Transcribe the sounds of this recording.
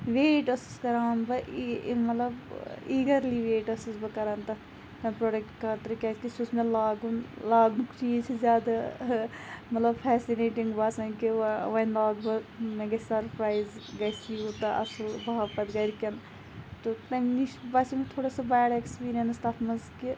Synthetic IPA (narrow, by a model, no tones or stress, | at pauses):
ʋeːʈɐsɨ̥skɐɾaːnbɨʔimɐt̪lɐbiːɡɐɾliʋeːʈɐsɨsbɨkɐɾaːnt̪ɐ | t̪ɐmpɾoːɖɐk̚ʈkɐt̪ɾkʲakisusmelaːɡunlaːɡnukt͡ʃiːt͡ʃʰizʲjaːd̪a | mɐt̪lɐbpʰɛːsineːʈiŋɡbaːsɐnkiʋʋɐjnlaːɡbɨmeɡɐsɐɾpɾaːjzɡɐsiut̪ɐʔɐ̰sɨlbɐɐpɐt̪ɡɐɾkʲɐn | t̪ot̪ɐmniʃbɐsimet̪ʰoːɽɐsɐbajɽekspiːɾijɐnst̪ɐt̪ʰmɐzki